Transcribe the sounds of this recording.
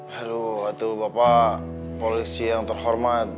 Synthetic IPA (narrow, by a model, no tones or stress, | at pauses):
haɾuat̪awbapapolisijaŋt̪ərɦɔrmat̪̚